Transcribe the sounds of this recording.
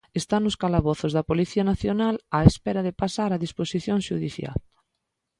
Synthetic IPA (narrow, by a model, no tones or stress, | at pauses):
est̪anʊskalaβɔθʊzðɐpoliθiɐnaθjonalaespɛɾaðɪpasaɾaðisposiθjoŋʃuðiθja̰l